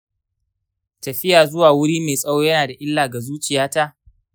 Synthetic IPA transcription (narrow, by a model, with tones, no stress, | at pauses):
tɐ˨ɸɪ˦jaː˨zʊ˦waː˨wʊ˦ɽiː˦meː˨sʼɐ˦woː˦jɐ˦naː˨da˨ʔɪ˦lːaː˨ɡa˨zuː˦t͡ʃɪ˨jaː˦ta˦ʔ